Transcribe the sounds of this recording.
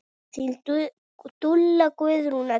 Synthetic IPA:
i | t̪ulːakues̬ɾʊna

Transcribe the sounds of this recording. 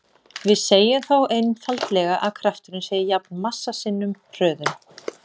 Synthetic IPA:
vɪðseːjʏmθawejnfalt̪lɛɣaʔaðkʰɾaft̪ʏɾʏnseːjɪjapnmasːasɪnːʏmr̥œːðʏm

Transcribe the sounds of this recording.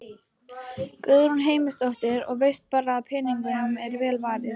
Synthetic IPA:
kœðɾunɦeːjmɪst̪owht̪ɪɾɔ̰ɣvejst̪̚paːɾaːðpʰɛːniŋkʏnʏmɛɾvɛːlvaːɾɪð

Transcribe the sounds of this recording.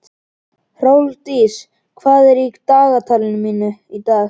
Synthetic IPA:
r̥oːwlt̪iːs | kʰvaːðɛɾiːkt̪aːɣat̪ʰaːlɪnmiːnʏit̪aːx

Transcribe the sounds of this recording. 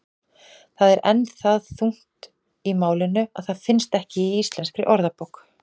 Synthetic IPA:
θaðɛɾʔɛnθaðθuŋ̥t̪ | imaːwlɪnːʏaðθaðfɪnst̪ɛhcɪiist̪lɛnskɾɪ̰ʔɔɾðapowk

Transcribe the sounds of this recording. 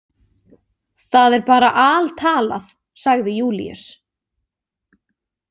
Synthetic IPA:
θaðɛɾpaːɾaʔaːlt̪ʰaːla̰θ | saɣðɪjuːlḭœ̰s

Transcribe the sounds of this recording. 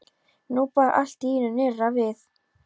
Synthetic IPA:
nupaːʔa̰l̥t̪iinʏnɪrːavɪθ

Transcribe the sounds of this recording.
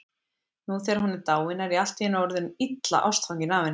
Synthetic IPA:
nuθɛːɾhɔnːɪt̪aːwɪnaɾial̥t̪iɪnɔɾðʏnit̪la̰ʔa̰wst̪fawɲcɪnaːvɪn

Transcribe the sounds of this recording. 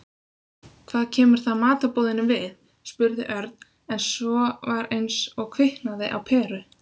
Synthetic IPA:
kʰv̥aːðcʰɛːmʏɾ̥θaðmaːt̪apoːwðɪnɪmvɪð | spʏɾðɪʔœɾt̪n | ɛnsvɔvaɾejnsɔɣkʰvɪhnaðɪʔa̰wpʰɛːrʏ

